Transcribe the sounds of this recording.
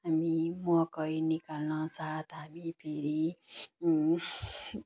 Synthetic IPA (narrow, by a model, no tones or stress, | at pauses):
ɦamimɔkʌjnikalnʌ̃sat̪ɦabipʰeɾi